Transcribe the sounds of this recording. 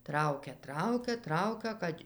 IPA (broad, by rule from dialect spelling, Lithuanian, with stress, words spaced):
ˈtrɐʊkʲɛ ˈtrɐʊkʲɛ ˈtrɐʊkʲɛ ˈkɐtʲ